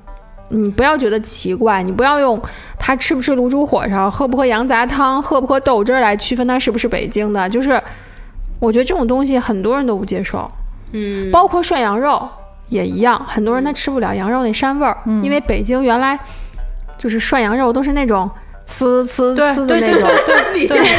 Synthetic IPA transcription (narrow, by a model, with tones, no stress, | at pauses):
ni˨˩pu˧˥jɑ˥˩ʊt͡ɕɥɛ˧˥d̪ə˧t͡ɕʰi˧˥kwa˥˩ɪni˨˩p̬u˧˥jɑ˥˧ʊjʊ˥˩ŋ | t̪ʰa˥ʈ͡ʂʰɻ̩˥˩bu˧˥ʈ͡ʂʰɻ̩˥˩lu˧˥ʈ͡ʂu˥xwɔ̰˨˩ʂɑ˥˩ŋxɤ˥˩pu˧˥kʰjɑ˧˥ŋt͡sa˧˥t̪ʰɑ˥ŋxɤ˥˩pu˧˩kʰɤ˥t̪o˥˩ʊʈ͡ʂə˞˥˩la˧˥ɪt͡ɕʰy˥˧fə˥nt̪ʰa˥ʂɻ̩˥˩bu˩ʂɻ̩˥˩pḛ˨˩ɪt͡ɕi˥ŋd̪ə˨t͡ɕjo˥˧ʊʂɻ̩˥˩ | wɔ˨˩t͡ɕɥɛ˧˥d̪ə˧ʈ͡ʂɤ˥˩ʊ˨˩ŋt̪̬ʊ˥ŋɕ̬i˨xə˨˩nt̪wɔ˥ɻə˧˥nt̪o˥ʊpu˥˩t͡ɕjɛ˥ʂo̰˥˩ʊ | pɑ˥ʊkʰwɔ˥˧ʂwa˥˩njɑ˧˥ŋɻo˥˩ʊ | jɛ˨˩ḭ˧˥jɑ˥˩ŋxə˨˩nt̪wɻə˧˥nt̪ʰa˥˩ʈ͡ʂʰɻ̩˥pu˥˩ljɑ˨˧˩ʊjɑ˧˥ŋɻo˥˩ne˥˩ɪʂa˥nwə˞˥˩i˥nwe˥˩ɪpe˨˩ɪt͡ɕi˥ŋɥɛ˧˥nla˧˥ɪt͡ɕjo˥˧ʊʂɻ̩˥˧ʂwa˥˩njɑ˧˥ŋɻo˥˩ʊt̪̬o˥ʊʂ̬ɻ̩˥˧na˥˩ʈ͡ʂʊ˨˩˦ŋ | t͡sʰɹ̩˥t͡sʰɹ̩˥˧e˥˩ʈ͡ʂʊ˨˥t̪e˥˩